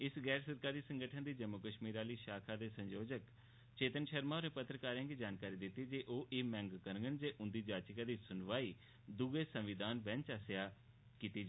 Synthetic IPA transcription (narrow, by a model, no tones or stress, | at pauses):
ɪsɡɛːɾsəɾkaːɾiːsə̃ŋɡəʈʰənd̪iːd͡ʒəmːʊkəʃmiːɾaːliːʃaːkʰaːd̪eːsə̃ɲd͡ʒoːd͡ʒək | t͡ʃeːt̪ənʃəɾmaːoːɾnẽpət̪ːɾəkaːɾjãːɡiːd͡ʒaːnkaːɾiːd̪ɪt̪ːiːd͡ʒeːʔoːʔeːmɛ̃ːŋɡkəɾɡənd͡ʒeːʔʊ̃nd̪iːd͡ʒaːt͡ʃɪkaːd̪iːsʊnʋaːiː | d̪uɡeːsəmʋɪd̪aːnʋɛ̃nt͡ʃaːsɪjaː | kiːt̪iː